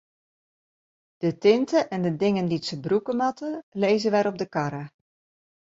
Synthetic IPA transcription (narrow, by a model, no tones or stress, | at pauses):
d̥ətɪntəʔɛndədɪŋənditsəbrukəmɑtəlejzəʋɛɾɔb̚dəkɑɾa